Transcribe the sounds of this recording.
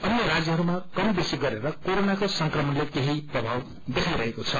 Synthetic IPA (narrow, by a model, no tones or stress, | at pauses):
ʌnjʌrad͡zjʌɦʌɾumakʌmbesiɡʌɾeɾʌkoɾonakosʌŋkrʌmʌnlekeɦiprʌbʱaw | d̪ekʰajɾʌɦekot͡sʰʌ